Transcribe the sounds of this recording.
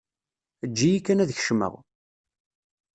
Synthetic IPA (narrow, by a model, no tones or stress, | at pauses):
əd͡ʒːijikːænæðç̥ʃmə̰ʁ